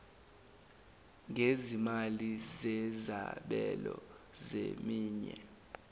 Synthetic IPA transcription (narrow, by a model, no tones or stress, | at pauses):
ŋezimalizɛza̰ɓɛlɔ | zemiːɲɛ